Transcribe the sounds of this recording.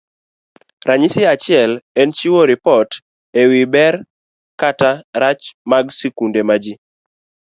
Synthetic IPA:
ɾaɲɪsɪat͡ʃɪɛlɛnt͡ʃiwoɾɪpɔt | ewibɛr | kataɾat͡ʃmaɡsɛkundemad͡ʒi

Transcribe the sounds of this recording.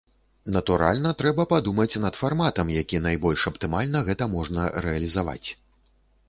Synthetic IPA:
nɐt̪uɾa̰lʲnɐt̪ɾɛbɐpad̪umɐt͡sʲnɐt̪farmat̪ɐmjakʲinajbɔlʲʂɐpt̪ɨmalʲnɐɣɛt̪ɐmɔʐnɐɾɛɐlʲizava̰t͡sʲ

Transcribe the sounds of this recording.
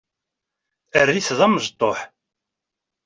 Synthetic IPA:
ərːiθðˤæmːəʒt̪ˤːoħ

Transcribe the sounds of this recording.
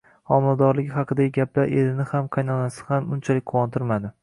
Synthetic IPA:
ɒmɪlad̪ɒɾlɪɡʲɪhɑqʰɨd̪aɡʲɪɡʲaplaɾʔe̞lɪnɪhamqʰɑjnɒnasɪ̥hamʊnt͡ʃʰalɪkʲqʰʊwɒnt̪ʰɪɾmad̪ɪ

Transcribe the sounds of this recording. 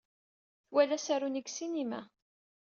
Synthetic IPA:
θwælæsæɾuniɡsinimæ̰

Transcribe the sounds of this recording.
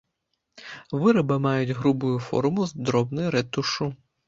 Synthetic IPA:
ʋɪɾɐbɐmɑjʊtʲɦɾubʊjʊfɔ̰ɾʊmʊzd̪ɾɔbnɪɾet̪ʊʃu

